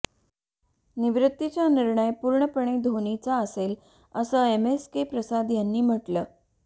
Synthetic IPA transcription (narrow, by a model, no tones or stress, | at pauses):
niʋɾut̪ːit͡ɕjaniɾɳəjpuɾɳəpəɳ̃ed̪ʱoɳit͡saəsel | əsəːemeskepɾəsad̪janːiːm̤əʈləː